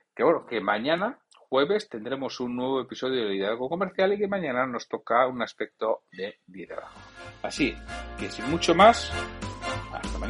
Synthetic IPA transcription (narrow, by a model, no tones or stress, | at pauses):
keβwenokemaɲana | xwe̞βe̞st̪e̞nd̪ɾe̞mo̞sunːwe̞β̞o̞e̞piso̞ð̞joðeiðaβeɣoko̞meɾθjalike̞mãɲãnano̞st̪o̞kaunaspe̞k̚t̪o̞ðe̞biðḛβa̰ɣasike̞simut͡ʃo̞mas | a̰st̪ama